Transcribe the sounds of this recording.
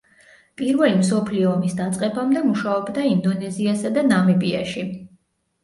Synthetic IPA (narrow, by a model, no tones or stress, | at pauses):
pʼiɾvɛlimsɔpʰliɔːmisd̪at̪sʼqʼɛbamd̪ɛmuʃaɔbd̪aind̪ɔnɛziasad̪anamɛbia̰ʃi